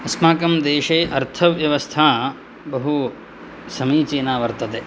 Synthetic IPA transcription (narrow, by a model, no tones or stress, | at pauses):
ɐsmaːkɐmd̪eːʂeːʔɐɾt̪ʰɐʋjɐʋɐst̪ʰaː | bɐɦu | sɐmiːt͡ʃeːnaːʋɐɾt̪ɐt̪e